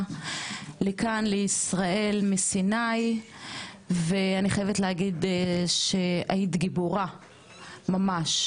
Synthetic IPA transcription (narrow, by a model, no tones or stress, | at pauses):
lekanleisʁae̞lmisinaj | veaniχajevetleaɡid̪ʃeait̪ɡiboʁa | mamaʃ